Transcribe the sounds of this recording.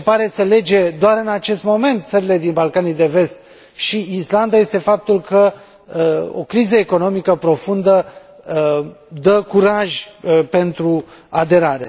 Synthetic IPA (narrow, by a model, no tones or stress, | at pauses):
paɾe̞səle̞d͡ʒe̞d̪oaɾɨnat͡ʃe̞st̪mo̞me̞nt̪̚t̪səɾile̞d̪inbalkanid̪e̞ve̞st̪ | ʃiisland̪aje̞st̪e̞fap̚t̪ulkə | o̞̰kɾizəeko̞no̞mikəpɾo̞fund̪ə | d̪əkuɾaʒʲpe̞nt̪ɾuad̪e̞ɾaɾḛ